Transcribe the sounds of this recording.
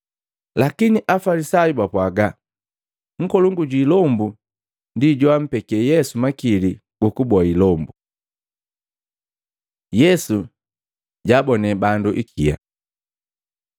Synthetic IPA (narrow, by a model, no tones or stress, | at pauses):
lakiniʔafalisajubapwaɡa | ŋ̩kɔluŋɡuɟwilɔmbu | ndiɟɔam̩pɛkiɛjɛsumakili | ɡ̥ukubɔailɔmbu | jɛsu | ɟaːbɔnɛbanduʔikʰija̰